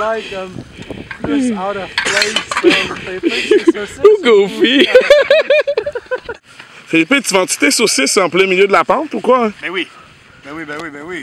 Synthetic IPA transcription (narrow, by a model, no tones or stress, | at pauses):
aɪk | aʊɾʌ̥le | uɡofi | feipẽt̪ivãt̪i̥t̪esoseseɑ̃plɛ̃miljød̪əlapɑ̃t̪ukwaɛ̃bɛwi | ɛiwi